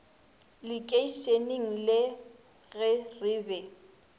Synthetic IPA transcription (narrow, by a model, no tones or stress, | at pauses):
lɪkʼeiseneŋ̩lɪ | ɣɪrɪːbɛ